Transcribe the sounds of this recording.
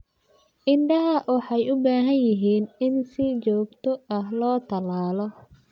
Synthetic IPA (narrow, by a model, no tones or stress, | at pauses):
ʔɪɳɖɐɦɐwɑħɑjʊbaːɦɐnjɪɦiːnɪnsɪt͡ʃɔːɡt̪ʰɔɐɦlɔːt̪ʰɐlaːlɔ